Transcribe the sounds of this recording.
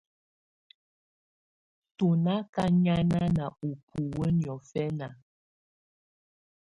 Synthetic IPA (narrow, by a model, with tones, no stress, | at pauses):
tu˨na˦ka˦ɲa˦na˦na˨u˨pʰu˨wə˦njɔ˨fɛ˦na˨